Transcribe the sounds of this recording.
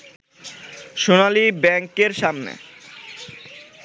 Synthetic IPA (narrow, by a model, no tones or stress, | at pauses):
ʃonalibɛŋkeɾʃamnḛ